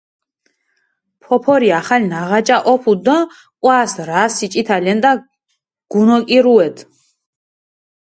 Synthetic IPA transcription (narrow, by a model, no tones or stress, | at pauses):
pʰɔpʰɔɾiaχalinaʁat͡ʃʼaʔɔpʰud̪ɔ̃ | kʼwaːsɾaːsit͡ʃʼit̪ʰalɛnd̪a | ɡ̥unɔkʼiɾuɛd̪